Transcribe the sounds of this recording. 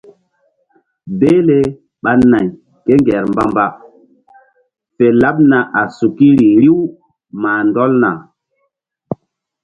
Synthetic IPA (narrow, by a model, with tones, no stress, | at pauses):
be˦le˦ | ɓa˦na˨j | ke˦ŋɡɛ˨ɾmba˦mba˦ | fe˨la˦ɓ̚na˨ʔa˨su˨ki˦ɾi˨ɾi˦w | maː˨ndɔ˦lna˨